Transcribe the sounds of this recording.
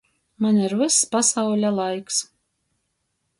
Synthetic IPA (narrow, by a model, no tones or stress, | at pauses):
manʲiɾvɨsːpasawlʲalˠajks